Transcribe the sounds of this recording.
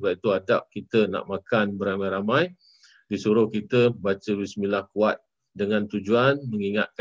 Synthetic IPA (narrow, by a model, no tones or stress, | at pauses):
bap̚it̪uadap̚kit̪əna̰ʔmakanbəɾamãjɾamãj | disuɾʊhkit̪əbat͡ʃəɾismilahkuat̪̚ | dəŋãnt̪ud͡ʒuanmə̃ŋiŋa̰t̪̚k